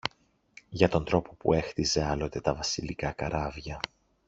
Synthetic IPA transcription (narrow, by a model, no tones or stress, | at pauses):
ʝɐt̪o̞nd̪ɾo̞po̞pṵe̞xθize̞ɐlo̞t̪e̞t̪ɐvɐsilikɐkɐɾɐvʝɐ